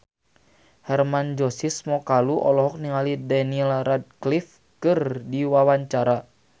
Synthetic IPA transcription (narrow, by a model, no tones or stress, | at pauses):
hɛrmand͡ʒɔsismɔkaluʔɔlɔɦɔk̚niŋalidaniɛlrad̚klif | kɨrdiwawaɲt͡ʃaɾa